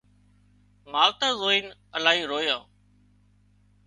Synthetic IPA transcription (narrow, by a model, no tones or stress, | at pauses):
maːlt̪aːzoːiːnəlaːɦiːɾoːjaː